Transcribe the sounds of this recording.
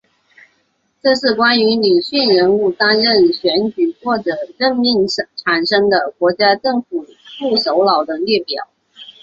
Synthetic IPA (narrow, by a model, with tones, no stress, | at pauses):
ʈ͡ʂɤ˥˧ʂɻ̩˥˩kwa˥ny˧˥ni˨˩ɕy˥˩nɻə˧˥nu˥˩t̪a˥nɻə˥˩nɕɥɛ˧˥nt͡ɕy˨˩xwɔ˥˩ʈ͡ʂɤ˨˩ɻə˥˧nmi˥˩ŋʈ͡ʂʰa˨˩nʂɤ˥ŋd̪ə˨kwɔ˧˥t͡ɕja˥ʈ͡ʂɤ˥˩ŋfu˨˩fu˥˩ʂo˧˥ʊlɑ˨˩ʊd̪ə˦ljɛ˥˩pjɑ˨˩˦ʊ